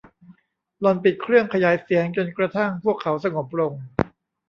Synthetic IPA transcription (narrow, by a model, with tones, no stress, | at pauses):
lɔ˧npi˨˩t̪̚kʰɾɯ˥˩əŋkʰa˧jaː˩˦jsi˩˦əŋt͡ɕo˧nkɾa˧t̪ʰa˥˩ŋpʰu˥˩əkʰːa˩˦wsa˧ŋo˨˩p̚ɾo˧ŋ